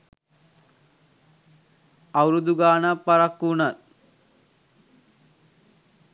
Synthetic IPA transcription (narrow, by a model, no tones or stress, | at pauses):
ɐwɾud̪uɡaːnɐpɐɾɐkːunɐl